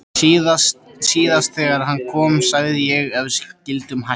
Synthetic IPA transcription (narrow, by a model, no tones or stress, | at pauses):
iðassiːðast̪θɛɣaɾhanːkʰɔːmsaːɣðɪjɛɣɛvscɪlt̪ʏmha